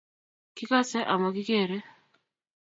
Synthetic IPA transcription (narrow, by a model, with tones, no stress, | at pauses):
ki˦ka˦sɛ˦ʔa˨ma˨ki˦ke˦˨ɾɛ˦